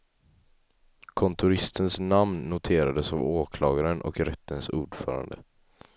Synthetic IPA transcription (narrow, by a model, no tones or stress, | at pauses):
kʰɔnt̪ʊɾɪst̪ʰənsnamnːʊt̪ʰeːɾad̪əsavoːkʰlɑːɡaɾənʔɔ̰kɾɛt̪ʰːənsuːɖfœ̰ːɾa̰nd̪ə̰